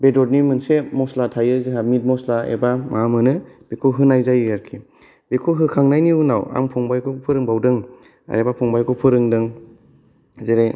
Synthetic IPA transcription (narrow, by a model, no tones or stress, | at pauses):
bedɔt̚nimɯnsemɔslatʰajɯzɯɦamit̚mɔslaḛbamamɯnɯb̥ekʰuɦɯnajzajɯjaɾkʰi | b̥ekʰuɦɯkʰaŋnajniunawa̰ŋpʰɔŋbajkʰɔpʰɯɾɯŋbawdɯŋ | a̰ɾebapʰɔŋbajkʰɔpʰɯɾɯŋdɯŋ | zeɾaj